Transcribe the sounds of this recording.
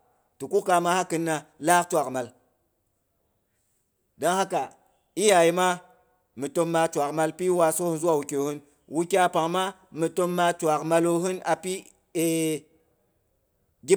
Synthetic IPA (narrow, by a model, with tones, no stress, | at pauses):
tu˨ku˦ka˨ma˦ha˦kɨ˦nːa˨la˦kt͡ʃʷa˨kma˨l | da˦ŋha˦ka˨ | i˦ja˨ji˦ma˦ | mɨ˨to˦mːa˧t͡ʃʷa˨kma˨lpi˦wa˨so˦hu˦nzu˦a˨wu˨kʲe˨hɨ˦n | wu˦kʲa˦pa˨ŋma˦mɨ˨to˦mːa˧t͡ʃʷa˨kma˧lo˦ɦɨ˦na˨pi˦ | e˦ | ɡʲi˦